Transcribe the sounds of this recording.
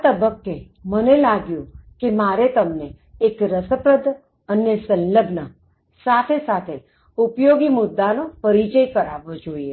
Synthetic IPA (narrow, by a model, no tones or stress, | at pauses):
at̪əbəkːe | mənelaɡjũkemaɾet̪əmneː | kɾəsəpɾəd̪ʱ | ənːesə̃nləbnə | sat̪ʰesat̪ʰe | upjoɡimʊd̪ʱːanopəɾit͡ʃəjkəɾaʋod͡ʒoie